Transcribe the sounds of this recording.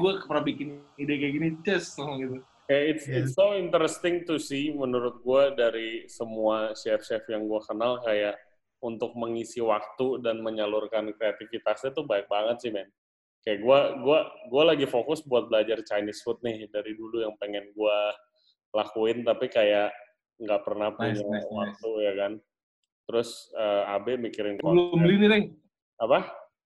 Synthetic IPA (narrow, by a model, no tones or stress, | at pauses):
ɡuakəpəɾabikɪnidekajakinit͡ʃɛsɔɡit̪u | kajaʔɪt̪sɪsoɪnt̪əɾɛst̪ɪŋt̪usɪhmənuɾʊt̪̚ɡuadaɾisəmuaʃɛfʃɛfjaŋɡuakənalkajaʔ | unt̪ʊk̚məŋisiwak̚t̪udanməɲalʊrkankɾeat̪ɪfit̪aksat̪ʊbaɲak̚baŋət̪̚sɪhmɛn | kajaʔɡuaɡuaɡualaɡifokʊsbuat̪̚bəlad͡ʒart͡ʃajnɪsfʊt̪̚nɪhdaɾidulujaŋpəŋɛnɡua | lakuɪnt̪apikajaʔ | ŋɡaʔpərnahpuɲawak̚t̪ujakan | t̪əɾʊsəːabɛmikiɾɪnklmliniɾɛ | apa